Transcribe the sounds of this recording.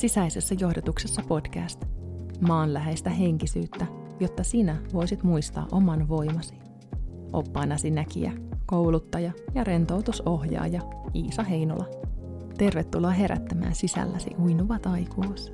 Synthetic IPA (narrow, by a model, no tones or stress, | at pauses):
sisæise̞sːɑjo̞hdot̪uksesːɑpo̞d̥kæst̪mɑːnlæɦejst̪æɦe̞ŋkisyːt̪ːæjo̞t̪ːɑsinæʋo̞jsit̪muist̪ɑ̰ːʔo̞mɑnʋo̞jmɑsi̥ | ʔo̞pːɑːnɑsinækḭæ̰kowlut̪ːɑjɑjɑɾe̞nt̪owt̪uso̞ɦjɑ̰ːjɑiːsɑɦe̞jno̰lɑ | t̪e̞rʋet̪ːulːoɑɦe̞ɾæ̰t̪ːæmæ̰ːnsisæ̰lːæsḭʔujnuʋɑt̪ɑjkuːs